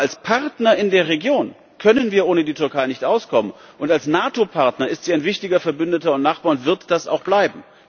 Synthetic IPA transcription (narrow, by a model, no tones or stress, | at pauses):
ʔalspʰaʁtnɐɪndeːɐʁ̞eɡjoːn | kʰœnənviːɐʔoːnədiːtʏɐkʰaɪnɪçtʔaʊskʰɔmən | ʔʊntalsnaːtopʰaɐtnɐɪstz̥iːaɪnvɪçtɪɡɐfɛɐbʏndətɐʊntnaχb̥aːɐʊntv̥ɪɐtd̥asa̰ʊxb̥laɪbm̩